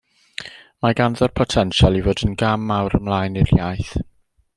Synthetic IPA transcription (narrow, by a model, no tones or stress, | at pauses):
maɡanðɔrpʰɔtʰɛnʃalˠivoːdənɡamːawɾəmlˠaːjnɪr̥jajθ